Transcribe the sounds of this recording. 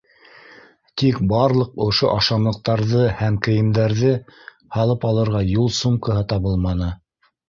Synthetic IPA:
t̪ikbɑɾlˠɤqŏʃoʔɑʃɑmlˠɤ̆q̚t̪ɑɾðɤhæmkɘ̆jɘ̆md̪æɾðɘ | hɑlˠɤpɑlˠɤ̆ɾʁɑjulˠsumkɤɦɤt̪ɑβɤlˠmɑnɤ

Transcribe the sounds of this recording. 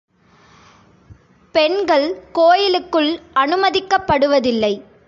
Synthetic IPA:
pɛɳɡɐɭkoːjɪlɯkːɯɭɐnɯmɐðɪkːɐpːɐɽɯʋɐðɪlːɐɪ

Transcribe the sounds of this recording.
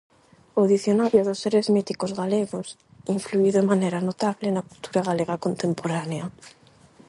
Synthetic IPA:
oðiθjonaɾjoðosːeɾezmit̪ikozɣaleɣos | iɱfluiðoeŋmaneɾanot̪aβlenakult̪uɾaɣaleɣakont̪empoɾanea

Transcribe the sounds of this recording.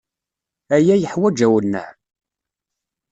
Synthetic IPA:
æjæjəħwæd͡ʒæwənːə̰ʕ

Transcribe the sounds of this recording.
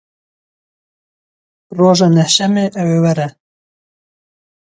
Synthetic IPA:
roːʒɑːnɛhʃɛmeːʔɛweːwɛɾɛ

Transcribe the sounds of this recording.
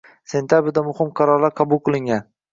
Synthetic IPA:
se̞nt̪ʰjabɾɪd̪amʊhɪmqʰɑɾɒɾlaɾqʰɑbʊlˠqɨlˠɪŋɡʲan

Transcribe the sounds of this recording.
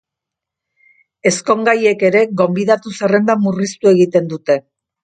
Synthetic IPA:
e̞sko̞ŋɡaje̞ke̞ɾe̞ɣo̞mbiðat̪usare̞nd̪amurist̪ue̞ɣit̪e̞nd̪ut̪e̞

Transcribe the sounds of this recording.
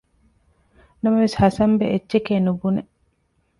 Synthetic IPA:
nɐmɐʋeshɐsɐmbḛʔetːʃekeːnubune

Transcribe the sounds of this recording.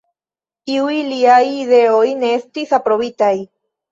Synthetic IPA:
iujliajiðe̞ojneest̪isapɾo̞βit̪aj

